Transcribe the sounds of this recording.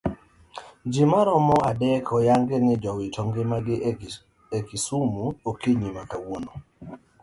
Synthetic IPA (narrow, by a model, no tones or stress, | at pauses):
d͡ʒimaɾɔmɔadɛkʰɔjaŋɡenɪd͡ʒɔwɪtɔŋɡɪmaɡɪ | ekisumuokiɲimakawono